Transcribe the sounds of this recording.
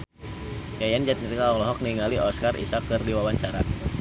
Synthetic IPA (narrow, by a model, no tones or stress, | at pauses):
jajand͡ʒat̪̚niɾikaɔŋlɔɦɔk̚niŋaliʔɔskarḭsakːɨrdiwawaɲt͡ʃaɾa